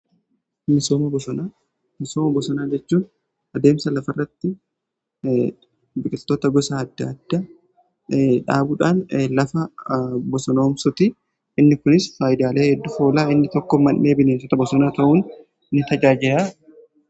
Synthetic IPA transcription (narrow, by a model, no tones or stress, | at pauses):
mɪsoːmɐbɔsɔnaː | mɪso̞ːmɐbɔsɔnaːd͡ʒɛt͡ʃːuːn | ɐd̪e̞ːmsɐlɐfɐrːɐt̪ːɪ | bɪkʼɪlt̪oːt̪ɐɡɔsaːɐd̪ːɐːd̪̥ːɐ | ᶑa̰ːbuːᶑaːnlɐfɐbɔsɔno̞ːmsʊt̪ɪ | ʔɪnːɪkʊnɪsfaːjɪd̪aːle̞ːhɛd̪ːʊfo̞ːlaːɪnːɪt̪ɔkːɔmɐnʔeːbɪnensɔt̪ɐbɔsɔnaːt̪ɐʔuːn | nːɪt̪ɐd͡ʒaːd͡ʒɪɾaː